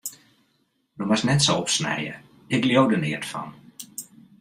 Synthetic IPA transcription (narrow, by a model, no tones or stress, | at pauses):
domasnɛtsoɔpsnɛ̰jə̰ | ɪkljowdənɪːətfɔ̰n